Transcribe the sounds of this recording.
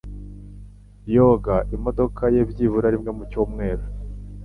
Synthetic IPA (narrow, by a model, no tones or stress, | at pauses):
jo̞ːɡaʔimo̞do̞kʰajebɟivuɾaɾimŋe̞mucuːmŋe̞ːɾo